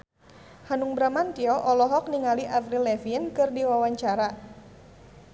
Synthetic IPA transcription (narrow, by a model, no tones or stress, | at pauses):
hanuŋbɾamant̪iɔʔɔlɔɦɔk̚niŋaliʔavɾilɛfiənkɨrdiwawaɲt͡ʃaɾa